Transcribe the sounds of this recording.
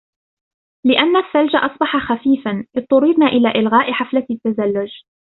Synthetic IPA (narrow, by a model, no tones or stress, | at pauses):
lɪʔanːalfald͡ʒaʔɑsˤbɑħaxafiːfanʔɨd̪t̪ːˤʊɾɪɾnaːʔɪlaːʔɪlɣaːʔɪħaflat̪ːazalːʊd͡ʒ